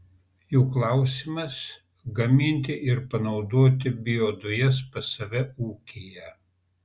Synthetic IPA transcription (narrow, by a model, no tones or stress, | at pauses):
juːklˠɑˑʊsʲɪmɐs | ɡɐmʲɪnʲt̪ʲɪʔɪɾpɐnɒʊd̪oːt̪ʲɪbʲɪjoːd̪ʊjɛspɐsɐʋʲɛuːkʲeːjɛ